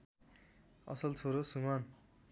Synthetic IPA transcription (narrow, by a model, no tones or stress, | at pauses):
ʌ̰sʌlt͡sʰoɾosuman